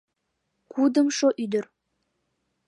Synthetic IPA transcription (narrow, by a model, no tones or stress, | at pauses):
kʰud̪əmʃoʔyd̪ɵɾ